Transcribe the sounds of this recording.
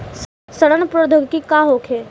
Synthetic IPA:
səɽənpɾoːd̪ʱoːɡkikaːɦokʰeː

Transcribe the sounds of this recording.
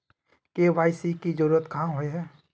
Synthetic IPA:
keʋaːɪsikid͡ʒəɾuːɾət̪kɐɦãɦoeɦɛː

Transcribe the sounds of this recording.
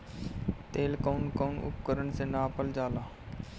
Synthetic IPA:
t̪eːlkoːnkoːnʊ̰p̚kəɾəɳsenaːpəld͡ʒaːlaː

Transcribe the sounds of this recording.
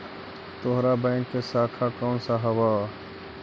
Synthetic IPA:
t̪oɦɾabɛ̃ɪŋkːesaːkʰakansaɦəba

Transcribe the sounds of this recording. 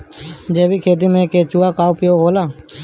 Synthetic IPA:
d͡ʒeːbiːkʰeːd̪iːmẽːkeːt͡ʃuːaːkaːupɪjoːɦoːlaː

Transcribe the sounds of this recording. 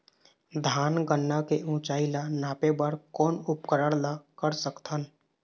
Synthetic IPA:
d̪ʱaːnɡənːakeʔũːt͡ʃaːilanaːpebəɾkɔːnʊpkəɾəɽlakəɾsəkt̪ʰən

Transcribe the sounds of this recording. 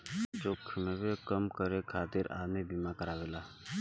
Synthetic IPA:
t͡ʃoːkʰmẽwekəmkəɾekʰaːt̪ɪɾa̰ːd̪mebimakəɾaːʋeːlaː

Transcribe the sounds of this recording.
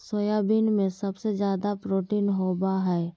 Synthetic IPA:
sojabiːnmẽsɐbsed͡ʒjaːd̪apɾoːʈiːnɦoːbaɦɛː

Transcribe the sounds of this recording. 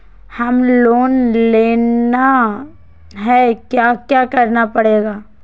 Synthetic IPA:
hɐmloːnleːna | ɦɛkjakjakɐɾnapɐɽeːɡaː

